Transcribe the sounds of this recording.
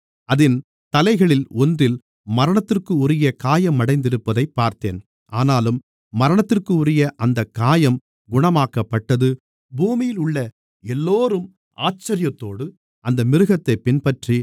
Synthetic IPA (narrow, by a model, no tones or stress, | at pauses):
ɐðɪn | t̪ɐlɐɪɣɐɭɪlɔndrɪl | mɐɾɐɳɐt̪ːɪrkɯʊɾɪjɐkaːjɐmːɐɽɐɪnd̪ɪɾɯpːɐðɐɪpːaːɾt̪ḛːn | ʔaːnaːlɯmː | ɐɾɐɳɐt̪ːɪrkɯʊɾɪjɐʔɐnd̪ɐkːaːjɐm | ɡʊɳɐmaːkɐpːɐʈːɐðɯ | buːmɪjɪlʊɭːɐ | ɛlːoːɾɯm | a̰ːt͡ʃːɐɾɪjɐt̪ːoːɽɯ | ʔɐnd̪ɐmɪɾɯɣɐt̪ːɐɪpːɪnpɐʈri